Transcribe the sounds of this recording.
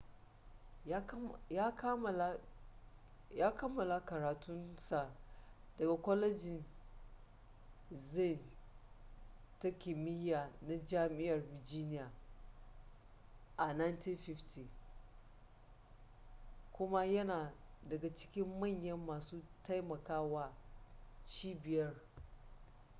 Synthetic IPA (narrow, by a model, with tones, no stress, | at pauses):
ja˦k | jaː˦kɐ˦mːɐ˨la˨kɐ˨ɾaː˨tʊ˦nsa˨dɐ˨ɡa˨kʷɔ˦lɛ˦d͡ʒɪ˨n | zi˦˨n | ta˦kʲɪ˨mɪ˦ja˨na˦d͡ʒaː˦mɪ˦jɐ˨rvɪ˨rd͡ʒi˦nɪ˦jaː˨ | ʔa˨na˦jnti˦nɸɪ˦ftʰi˨ | kʷʊ˦ma˦jɐ˦naː˨dɐ˨ɡa˨t͡ʃɪ̥˦kʲɪ˦mːɐ˦˨ɲjɐ˦mːaː˨suː˦ta˦jmɐ˨kaː˦waː˦ | t͡ʃiː˦bɪ˨jɐ˦r